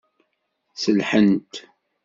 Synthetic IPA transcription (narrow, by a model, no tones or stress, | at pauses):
səlħənt̪